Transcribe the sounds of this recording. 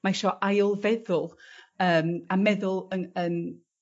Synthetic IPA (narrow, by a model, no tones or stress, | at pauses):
majʃɔʔajʊlˠvɛðʊlˠəːmamɛðʊlˠənən